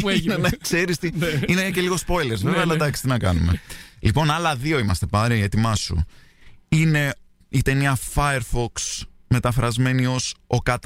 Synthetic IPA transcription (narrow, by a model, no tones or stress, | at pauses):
nnkse̞ɾist̪iinece̞liɣo̞spo̞jleɾzveveɐlɐd̪ɐksi̥t̪inɐkɐ̰numelipo̞nɐlɐðio̞imɐst̪e̞pɐɾiiet̪imɐsṵ | ine̞ | it̪eniɐfɐeɾfoks | me̞t̪ɐfɾɐzme̞nio̞so̞kɐt̪